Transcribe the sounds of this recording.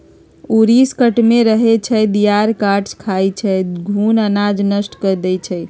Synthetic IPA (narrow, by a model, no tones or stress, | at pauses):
uɾiskəʈmeɾəɦet͡ʃʰəjd̪ijaɾkaʈskʰajt͡ʃʰəɡʱunənad͡ʒnəsʈkəɾd̪ɛt͡ʃʰəj